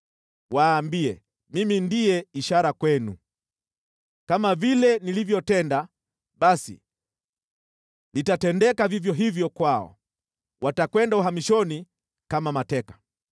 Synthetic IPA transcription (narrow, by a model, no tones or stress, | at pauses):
waːmbiɛ̰ | mimindiɛiʃaɾakwɛnṵ | kamavilɛnilivjɔtɛnda | ɓasḭ | nitatɛndɛkavivjɔɦivjɔkwaɔ̰ | wʔatakwɛndauɦamiʃɔni | kamamatɛkḁ